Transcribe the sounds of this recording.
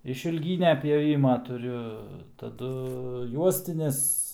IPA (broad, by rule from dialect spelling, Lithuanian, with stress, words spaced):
ɪʃʲɪlʲˈɡʲiːnʲɛ pʲjoːˈʋʲɪmɐ tʊˈrʲʊ tɐˈdʊ ˈjuɔsʲtʲɪnʲɪs